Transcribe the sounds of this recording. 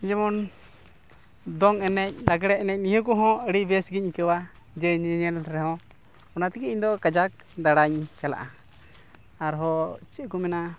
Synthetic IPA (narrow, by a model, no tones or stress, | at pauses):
d͡ʒɛmɔn | d̪ɔŋɛnɛc̚laɡɛɽɛɛnɛc̚nijɔ̃kɔɦɔ̃əɽibɛsɡic̚kəwa | d͡ʒɛɲɛɲɛlɾɛɦɔ̃ | ɔnat̪ikɛiɲd̪ɔkad͡ʒak̚ | d̪aɽaɲt͡ʃala̰ʔa | aɾɦɔt͡ʃiʔkumɛna